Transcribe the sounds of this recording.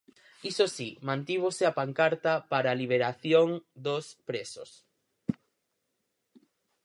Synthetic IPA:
isosimãnt̪iβosɪapaŋkaɾt̪apaɾaːliβ̞eɾaθjoŋd̪ospɾesos

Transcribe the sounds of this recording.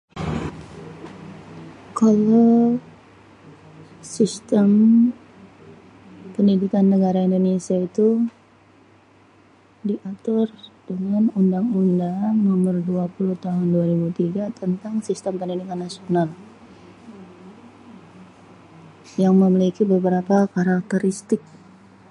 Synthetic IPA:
kalaw | sist̪əm | pəndidikanːəɡaɾaindonesiait̪u | diʔat̪ʊrdəŋanundaŋundaŋnomərduapuluht̪aɦʊnduaɾibut̪iɡat̪ənt̪aŋsist̪əmpəndidikanːasional | jaŋməmilikibəbəɾapakaɾak̚t̪əɾist̪ɪk̚

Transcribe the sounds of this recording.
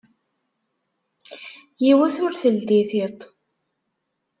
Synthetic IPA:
jiwæθʊɾθəld̪iθit̪ˤ

